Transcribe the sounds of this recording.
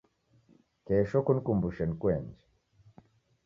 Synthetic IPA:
kɛːʃɔkunikumbuʃɛnkwɛɲd͡ʒɛ̥

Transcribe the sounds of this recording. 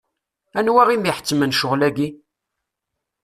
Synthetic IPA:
ænwæʁimiħə̥t͡sːmənʃʊʁlæɡi

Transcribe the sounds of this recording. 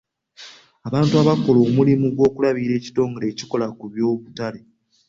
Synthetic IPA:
aβaːntuaβako̞lo̞ːmulimuɡwo̞ːkulaβiːɾe̞ːci̥to̞ːŋɡoɾe̞ːci̥ko̞lakuβjo̞ːβutale̞

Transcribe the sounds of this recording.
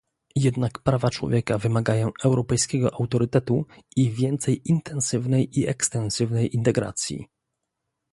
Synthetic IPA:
jɛd̪nakpɾavat͡ʂwɔ̰vʲjɛkavɘmaɡajɔ̃ɛwɾɔpɛjskʲɛɡɔʔawt̪ɔɾɘt̪ɛt̪uivʲjɛnt̪sɛjint̪ʰɛnsɘvnɛjiɛkst̪ɛnsɘvnɛjint̪ɛɡɾa̰t̪sʲjḭ

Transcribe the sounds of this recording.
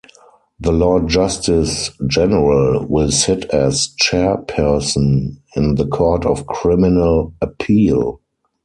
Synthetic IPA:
ðəlɔd̚d͡ʒastɪsd͡ʒɛnəɹəlwɪlsɪtʰɛst͡ʃɛpʰɜ˞sə̃nɪ̃nðəkʰɔɹtɔfkʰɹɪmɪnələpʰiːl

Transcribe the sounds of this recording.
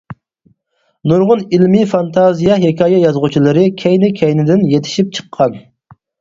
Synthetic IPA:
nuɾʁʊnilmifɑnt̪ʰɑzijɑɦekʰʲɑːjɛjɑzʁut͡ʃʰilˠɨɾɨkʲʰɛjnɪkʲʰɛjnɪd̪ɪnjet̪ʰɪ̥ʃip̚t͡ʃʰə̥qʰːɑn

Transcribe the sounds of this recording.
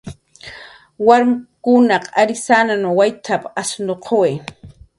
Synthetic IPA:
waɾmkʊnaqaɾɪsananowajt̪ʰapasnoqʰowe

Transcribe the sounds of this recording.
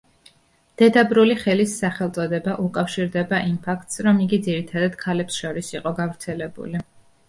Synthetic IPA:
d̪̥ɛd̪abɾuliχɛlisːaχɛlˠt̪sʼɔd̪ɛbaʔukʼafʃiɾd̪ɛbaʔimpʰakʰt̪ʼsɾɔmiɡid̪ziɾit̪ʰad̪ad̪̥kʰalɛpsʃɔɾisiqʼɔɡavɾt̪sʰɛlɛbṵli

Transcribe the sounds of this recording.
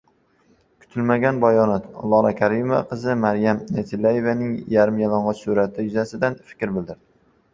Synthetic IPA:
kʰʊ̥t̪ʰɪlmaɡʲanbajɒnat̪ɒ̰lˠːɒɾakʲʰaɾɪmova̰qʰɨzɪmaɾjamnet̪ʰɪlːaje̞vanɪŋjaɾɪmjalˠɒɴʁɑsʊɾat̪ʰɪjʊzasɪd̪anfɪ̥kʲɾbɪld̪ɪɾd̪̥ɪ

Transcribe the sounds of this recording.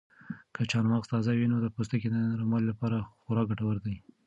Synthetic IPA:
kʰət͡ʃɑnmɑqst̪ɑzawinod̪əpost̪aked̪əɾamɑllapɑɾaxʊɾɑɡaʈawəɾd̪aj

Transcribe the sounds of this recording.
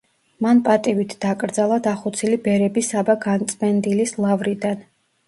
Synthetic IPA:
manpʼat̪ʼivit̪ʰd̪̥akʼɾd̪zalˠad̪aχɔt̪sʰilibɛɾɛbisabaɡant̪sʼmɛnd̪ilislˠavɾid̪an

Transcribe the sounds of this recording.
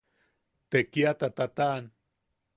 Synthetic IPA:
t̪ekiat̪at̪at̪aʔːn

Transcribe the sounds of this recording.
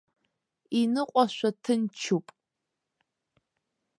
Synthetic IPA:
inɨqʷʼɔʃʷɐtʰɨnt͡ʃʰupʼ

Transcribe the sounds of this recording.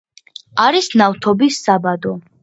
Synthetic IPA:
aɾisnaft̪ʰɔbisːabad̪ɔ

